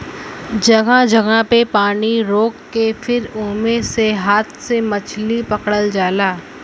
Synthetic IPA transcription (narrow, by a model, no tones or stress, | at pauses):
d͡ʒɐɡãd͡ʒɐɡãpepaːniɾoːkːefʰɪɾoːmẽseɦaːt̪ʰsemɐt͡ʃʰlipɐkɽəld͡ʒaːlaː